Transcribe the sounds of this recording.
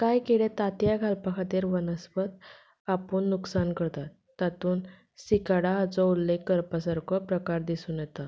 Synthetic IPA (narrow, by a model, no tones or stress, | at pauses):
kajkiɽet̪at̪jaɡʱalpakʰat̪eɾʋənəspət̪ | apuːɳːuksankəɾt̪at̪ːat̪uːn | sikaɽaːt͡sɔulːekːəɾpasəɾkʰɔpɾəkaɾd̪isuːnjɛt̪a